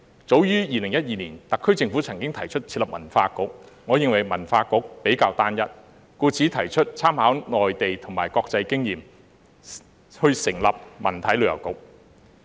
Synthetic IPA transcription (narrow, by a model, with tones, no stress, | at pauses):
t͡so˨˥wjyː˥jiː˨˧lɪ˨˩ŋjɐ˥t̚jiː˧niː˨˩nt̪ɐ˨kʰːɵ˥ɥt͡sɪ˧ŋfuː˨˥t͡sʰɐ˨˩ŋkɪ˥ŋt̪ʰɐ˨˩jt͡ʃʰɵ˥t̚t͡sʰi˧t̚lɐ˨p̚mɐ̰˨˩nfaː˧kʊ˨˥k̚ | ŋɔ˨˧jɪ˨˧ŋwɐ˨˩jmɐ˨˩nfaː˧kʊ˨˥k̚pe˨˥jkaː˧wt̪aː˥njɐ˥t̚ | kuː˧t͡sʰiː˨˥t̪ʰɐ˨˩jt͡ʃʰɵ˥t̚t͡sʰaː˥mhaː˨˥wnɔː˨jt̪e˨jt̪ʰʊ˨˩ŋmaː˨˩jkɔː˧k̚t͡sɐ˧jkɪ˥ŋjiː˨m | hɵ˧ɥsɪ˨˩ŋlɐ˨p̚mɐ̰˨˩nt̪ʰɐ˨˥jlɵ˨˧ɥjɐ˨˩wkʊ˨˥k̚